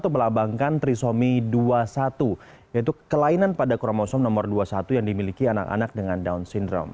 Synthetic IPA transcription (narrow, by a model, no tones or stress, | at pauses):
t̪uməlabaŋkant̪ɾisomiduasat̪u | jait̪ukəlainanpadakɔɾɔmɔsɔmnɔmɔrduasat̪ujaŋdimilikiana̰ka̰nak̚dəŋandaunsindɾɔ̰m